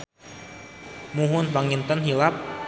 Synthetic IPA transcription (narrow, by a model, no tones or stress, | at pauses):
muɦʊnpaŋint̪ɔnɦilap̚